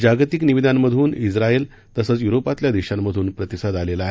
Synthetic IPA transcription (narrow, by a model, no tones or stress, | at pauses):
d͡ʑaɡt̪ikniʋid̪ʱanːəd̪ʱuːnid͡zɾael | t̪əsət͡sjuɾopat̪ljad̪iɕamːəd̪ʱuːnpɾət̪isəd̪alelaːɦe